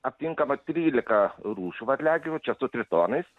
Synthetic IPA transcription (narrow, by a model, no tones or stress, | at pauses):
ɐpʲt̪ʲiŋkɐmɐt̪ʲɾʲiːlʲɪkɐɾuːʃʊʋɐt̪ʲlʲæːɡʲɪʋʲʊt͡ʃʲɛsʊt̪ʲɾʲɪt̪oːnɐɪs